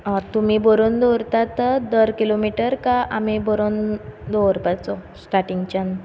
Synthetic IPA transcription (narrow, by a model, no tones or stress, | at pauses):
t̪um̤iːboɾond̪oɾt̪at̪əd̪əɾkilomiʈəɾkaʔamibɔɾond̪owɾpat͡sosʈaʈiŋɡt͡ɕan